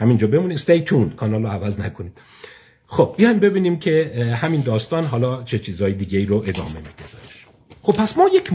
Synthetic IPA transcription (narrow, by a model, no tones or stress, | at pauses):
hæmind͡ʒɒːbe̞muːnist̪ejt̪ʰunkʰɒːnɒːloævæznækʰo̞niːm | xob̚ːijɒjmbe̞biːniːmcʰe̞hæmiːnd̪ɒːst̪ɒːnɦɒːlɒːt͡ʃʰe̞t͡ʃʰiːzɒːjed̪iːɟeiːɾoʔed̪ɒ̰ːme̞miːd̪̥ed̪ɒʃ | xobpʰːæsmɒːjecʰ